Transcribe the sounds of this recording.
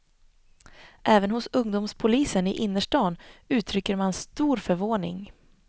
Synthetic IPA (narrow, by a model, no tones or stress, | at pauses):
ʔɛːvənhʊsɵŋd̪ʊːmspʰʊliːsənɪʔɪnːəʂʈɑːnʉ̟ːt̪ʰɾʏkːəɾmanst̪uːɾfœɾvoːɳɪ̰ŋ